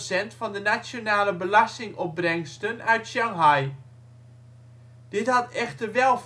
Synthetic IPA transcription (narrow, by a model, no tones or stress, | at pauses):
sɛntfɑndənat͡sjonaːləbəlastɪŋʔɔp̚brɛŋstənœɥtʃaŋɦaj | d̥ɪthɑtɛxtərʋɛlˠf